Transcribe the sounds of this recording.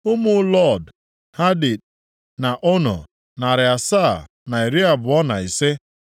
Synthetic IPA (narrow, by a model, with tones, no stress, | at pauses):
ʊ˦mʊ˦lɔ˦˨d | ha˦di˨d̚ | na˨ʔo˦nɔ̰˨ | na˨ɾɪ˨a˨saː˦˨ | na˨i˨ɾi˦a˨bʊ˨ɔ˦na˨i˨se˦